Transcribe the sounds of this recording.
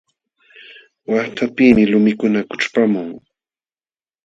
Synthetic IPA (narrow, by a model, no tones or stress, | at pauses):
waχt̪ʰapimɪlʊmɪkʊnakʊʈ͡ʂpamʊŋ